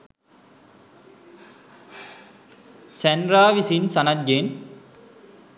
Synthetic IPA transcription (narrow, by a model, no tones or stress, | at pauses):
sænɾaːʋisinsɐnat̪̚ɡen